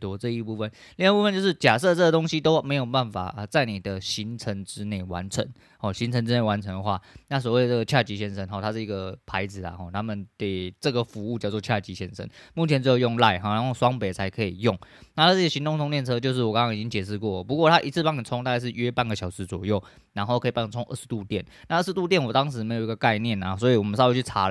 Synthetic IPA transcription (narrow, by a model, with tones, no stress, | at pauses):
t̪ʈ͡ʂɤ˥˧i˥˧pu˥˧fə˥˨nli˥˧ŋ˥˩pu˥˩ə˧˨nt͡ɕjʊʂɻ̩˥˩t͡ɕja˨˩sɤ˥˩t͡sə˥˩ɡə˩t̪ʊ˥ŋɕi˦t̪o˥ʊme˧˥ɪjo˨˩ʊpa˥˩nfa̰˨˩ʔə˧t͡sa˥˩ɪni˨˩d̪ə˦ɕi˧˥˦nt͡sʰə˧˥ŋʈ͡ʂɻ̩˥ne˥˩ɪwa˧˦nt͡sʰə̰˧˦ŋ | hɔ˨˩ɕi˧˥nt͡sʰə˧˥nt͡sɻ̩˥ne˥˩ɪwa˧˦nt͡sʰə˧˥ŋd̪ə˨xwa̰˥˩na˥˩swɔ˨˩we˥˩ɪə˩t͡sːə˥˩ɡə˩t͡ɕʰja˥˩t͡ɕi˧˥ɕɛ˥nʂə˥nxɔ˨˩t̪ʰa˥ʂ̩˥˩i˧˥ɡə˩pʰa˧˥ɪd͡zɹ̩˨˩lɐ̰˩xɔ˥˩t̪ʰa˥mə˨nke˨˩ɪʈ͡ʂɤ˥˩ɡə˩fu˧˥u˥˧t͡ɕɑ˥˧ʊt͡swɔ˥˧t͡ɕʰja˥˩t͡ɕi˧˥ɕjɛ̰˧˥nʂə̰˥nmu˥˩t͡ɕʰjɛ˧˦nt͡sɻ̩˥jo˧˩jʊ˥˧ŋla˥˧ɪɦɔ˨˩na˦nxo˥˩ʊswɑ˥ŋpe˨˩t͡sʰa˧˥ɪkʰɤ˧˥i˨˩jʊ˥˩ŋna˥˩na˥˧˥ə˩ɕi˧˥nt̪ʊ˥ŋt̪ʰʊ˥ŋt̪jɛ˥˨nt͡sʰɤ˥t͡ɕjo˥˧ʊʂ̬̩˥˩wɔ˨˩kɑ˥˦ŋʰkɑ˥ŋi˨˩i˦˥ŋt͡ɕjɛ˨˩ʂ̬ɻ̩˥˧kwɔ˥˩lə˨˩pu˧˥kwɔ˥˧t̪ʰa˦˥ʔi˧˥t͡sʰɹ̩˥˩pa˥ŋə˨˩nt͡sʰʊ˥ŋt̪a˥˧a˧˥ʂɻ̩˥˩ɥɛ˥pa˥˩nɡə˩ɕjɑ˨˩ʊʂɻ̩˨˥t͡swɔ˨˩jo˥˩ʊ | na˧˥nxo˥˩ʊkʰɤ˧˥i˨pa˥˩˨t͡sʰʊ˥ŋʔə̰˥˩ʂ̩˧t̪u˥˧t̪jɛ˥˩n | na˥˧ə˥˩ʂɻ̩˧t̪u˥˧t̪jɛ˥˩nwɔ˨˩t̪ɑ˥ŋʂ̬ɻ̩˧˥me˧˥ɪjo˨˩i˧˥ɡə˧ka˥˧ɪnjɛ˥˩na˨˩s̬wɔ˧˥i˨wɔ˨˩mə˦nsɑ˥˧i˥˩t͡ɕʰy˥˩t͡sʰa˧˥˨